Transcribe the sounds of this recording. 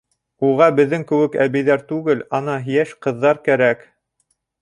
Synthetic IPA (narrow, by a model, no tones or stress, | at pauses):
uʁɑbɘ̆ðːɘŋkɘ̆wɘkæβɘ̆jðæɾt̪ʉɡɘlɑnɑɦjæʃqɤ̆ðːɑɾkæɾæk